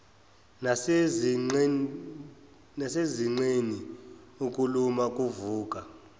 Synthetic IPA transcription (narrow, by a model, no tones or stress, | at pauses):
na | naseziŋ͡ǀeniukʼulumakʼuvuːkʼa